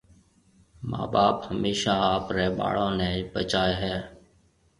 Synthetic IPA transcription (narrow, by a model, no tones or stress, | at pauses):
ma̰ːɓaːphəmeːʃaːaːpɾɛːɓa̰ːɭõːnɛ̃ːibət͡ʃaːeːɦɛː